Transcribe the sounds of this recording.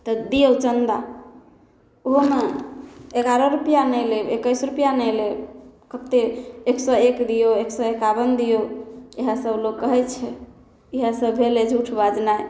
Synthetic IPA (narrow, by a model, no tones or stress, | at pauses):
t̪ɔd̪ijəwt͡ʃənd̪a | oɦome | eɡaɾɔɾupijanɛjleekəjsɾupjanɛjlekət̪eeksɔekd̪ijoeksɔekabənd̪ijoeɦãsəblokkːəɦɛt͡ʃʰɛ | iɦə̃səbbʱeled͡ʒʱuʈʰbad͡ʒnaj